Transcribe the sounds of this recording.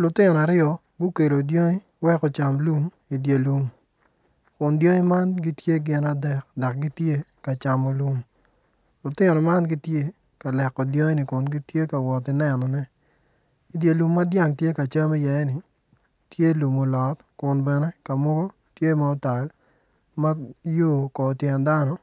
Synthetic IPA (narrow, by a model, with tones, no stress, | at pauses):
lʊ˨tɪ˦nɔ˨a˨ɾɪɔ˦ | ɡʊ˦ke˨do˨djo˦ŋi˦ | wɛ˦kɔ˨t͡ʃa˨mlu˦m | i˨dje˨lu˨m | kʊ˨ndjo˦ŋi˦ma˦nɡi˦tje˦ɡɪ˨na˨dɛ˨k̚dɔ˨k̚ɡi˦tje˦ka˨t͡ʃa˨mɔ˨lu˦m | lʊ˨tɪ˦nɔ˨ma˦nɡi˦tje˦ | ka˨lɛ˨kːɔ˨djɔ˦nɪ˨kʊ˨nɡi˦tje˦ka˨wɔ˨tɪ˨nɛ˨nɔ˨nɛ˦ | i˨dje˨lu˨mːa˦dja˨ŋtje˦ka˨t͡ʃa˦mi˦jɛ˨ɛ˦nɪ˨ | tje˦lu˨mo˨lɔ˨t | kʊ˨nbɛ˨nɛ˦ka˨mɔ˦ɡo˦ | tje˦ma˨ɔ˦ta˨l | ma˦joː˦˨kɔ˨tjɛ˨nda˦nɔ˦